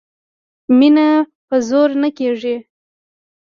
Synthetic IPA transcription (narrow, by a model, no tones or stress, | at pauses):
minapəzoɾnakeʐi